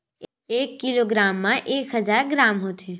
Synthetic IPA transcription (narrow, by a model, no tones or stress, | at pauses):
eːkːɪloɡɾaːmːãʔeːkɦəzaːɾɡɾaːmɦot̪ʰe